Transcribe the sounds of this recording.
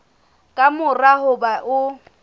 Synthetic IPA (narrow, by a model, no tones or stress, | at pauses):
kʼamʊrahʊbaʔʊ